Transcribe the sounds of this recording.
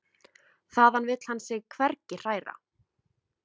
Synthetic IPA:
θaðanvɪt̪l̥hansɪɣkʰvɛɾcɪr̥aːjɾa̰

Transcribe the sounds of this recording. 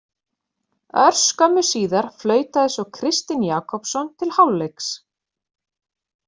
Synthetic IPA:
œɾ̥skœmʏsiːðaɾ̥flœːɥt̪aðɪsɔkʰɾɪst̪ɪnjaːkʰɔpsɔnt̪ʰɪlhawlːejks

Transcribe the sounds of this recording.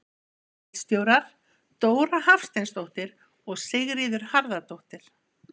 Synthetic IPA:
ɪt̪st̪joːwɾaɾ̥ | t̪oːwɾahafst̪ejnst̪owht̪ɪɾ | ɔɣsɪɣɾiːðʏɾ̥haɾðat̪owht̪ɪɾ̥

